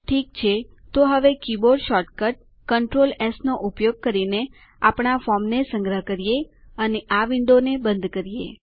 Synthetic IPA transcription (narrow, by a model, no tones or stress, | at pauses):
ʈʰik̚t͡ʃʰe | t̪oɦəʋekiboɖʃɔɾʈkəʈ̚ | kəɳʈɾolesnoʔupjoɡ̚kəɾine | apɽafɔmnesəŋɡɾəɦkəɾijeəneʔaʋɪɳɖ̪onebənd̪kəɾijḛ